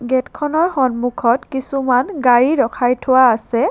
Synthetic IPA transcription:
ɡɛtkʰɔnɔɹxɔnmukʰɔtkisumanɡaɹiɹɔkʰajtʰʊwaːsɛ

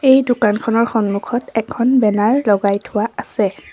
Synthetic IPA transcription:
ejdʊkankʰɔnɔɹxɔnmukʰɔtɛkʰɔnbɛnaɹlɔɡajtʰʊwaʔasɛ

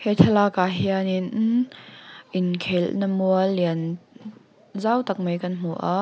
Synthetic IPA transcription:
hɛt̪ʰɛlaːkaɦiani | ʔɪnkʰɛlnəmuɐliən | zawt̪ɐk̚mejkɐnm̥uʔaʔ

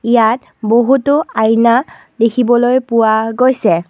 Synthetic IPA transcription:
ijat | boɦutʊajna | dekʰibɔlojpʊwaɡojsɛ

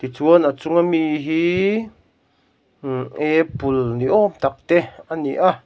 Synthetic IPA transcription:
t̪it͡suənat͡sʊŋamiɦi | ʔepulniʔɔmt̪ak̚t̪eaniʔa

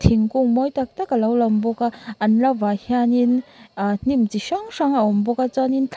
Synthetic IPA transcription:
tʰiŋkuŋmɔjtak̚takalawlambɔkaːnlabahjaninnimtiʃaŋsaŋawɔmbɔkat͡ʃanintʰ

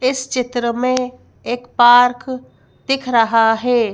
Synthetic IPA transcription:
ɪst͡ʃɪt̪ɾəmẽ | eːkpaːɾkʰ | d̪̥ɪkʰɾɐɦaɦeː

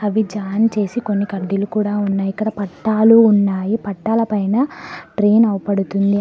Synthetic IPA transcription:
ɐʋid͡ʒaːnt͡ʃe̞ːsiko̞nːikɐɖːilukuːɽaːunːaːjikɐd̪aːpɐʈːaːluːnːaːjipɐʈːaːlɐpɐjnɐʈɾe̞ːnɐwpɐɽut̪und̪i

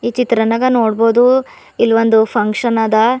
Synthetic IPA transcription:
iːt͡ʃit̪ɾɐnɐɡɐnoːɽboːd̪u | ilʋond̪upʰɐŋkʂɐnaːd̪ɐ

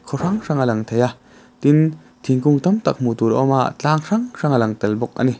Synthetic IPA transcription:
kʰɔʂaŋʂaŋalɐŋt̪ʰeja | t̪in | t̪ʰiŋkʊŋt̪ɔmt̪ak̚mut̪uːɾɔ̰ma̰ʔt͡ɬaːŋʂaŋʂaŋalɐŋt̪ɛlbɔk̚ʔa̰ni

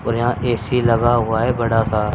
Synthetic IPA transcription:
oːɾjãːʔeːsiːləɡaːɦʊaːɦɛːbəɽaːsaːɾ

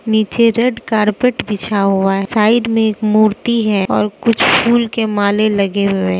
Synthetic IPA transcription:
niːt͡ʃeɾeɖkaːɾpeʈbʱɪt͡ʃʰaɦʊaɦsaːɪɖmẽeːkmuːɾt̪iɦɛːɔ̰ːɾkʊt͡ʃʰpʰuːlkemaːlelɐɡeɦʊẽː

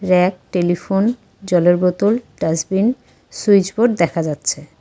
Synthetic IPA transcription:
ɾɛk̚ʈelifon | d͡ʑɔleɾbot̪olɖazbin | sujd͡ʑboɖ̚d̪ɛkʰad͡ʑatːɕʰe

